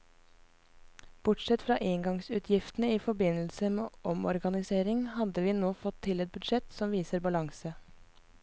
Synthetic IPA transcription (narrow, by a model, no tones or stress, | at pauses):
b̥ʊʈsɛt̪fɾɑ̰ːʔɪŋɡɑŋsʉːt̪ʰjɪft̪nəiːfɔbɪnl̩səmḛːʔɔmɔɾɡɑnɪseːɾɪŋhɑd̪əʋiːnoːfɔt̪ʰːɪlɛt̪̚bʉd̪ʃɛt̪sɔmʋiːsəɾbɑlɑŋsə